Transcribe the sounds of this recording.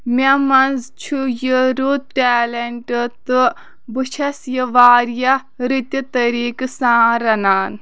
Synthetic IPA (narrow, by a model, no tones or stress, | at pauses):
mʲamɐnzt͡ʃʰujəɾut̪̚ʈɛːleɳʈt̪ɨ | bɨt͡ʃʰɐsjəʋaːɾja | ɾit̪ʲjɐt̪ɐɾiːksãːɾɐnaːn